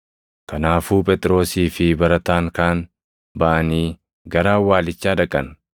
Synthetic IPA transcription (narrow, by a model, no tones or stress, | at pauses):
kɐnaːfuːpʼɛt̪ʼɾo̞ːsiːfɪbɐɾɐt̪aːŋkaːn | bɐʔɐniː | ɡɐɾaːwaːlɪt͡ʃːaːdɐkʼːɐn